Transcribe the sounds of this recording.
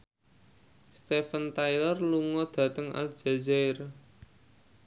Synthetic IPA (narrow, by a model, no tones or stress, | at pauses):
st̪efənt̪ajlərluŋɔd̪̥ä̤t̪əŋa̰ld̥ʒ̥a̤d͡ʒar